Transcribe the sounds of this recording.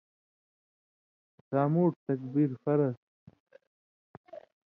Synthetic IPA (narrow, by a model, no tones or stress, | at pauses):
saːmuːʈ̚t̪ɐkbiɾfɐɾɐs